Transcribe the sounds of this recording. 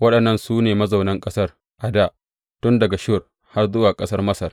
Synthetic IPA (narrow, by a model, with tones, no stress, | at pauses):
wɐ˦ɗɐ˨nːɐ˦nsuː˦neː˨mɐ˦za˨wnɐ˦ŋkʼɐ˦sɐ˦r | ʔa˨daː˦ʔ | tʊ˦ndɐ˨ɡa˨ʃʊ˦˨r | ha˦rzʊ˦waː˨kʼɐ˦sɐ˦rmɐ˦sɐ˨r